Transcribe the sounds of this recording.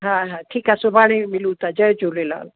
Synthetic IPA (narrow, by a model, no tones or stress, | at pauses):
ɦãɦãʈʰiːkɦasʊbʱaɽ̃ẽmɪlũt̪ad͡ʑəjd͡ʒolela̰ːl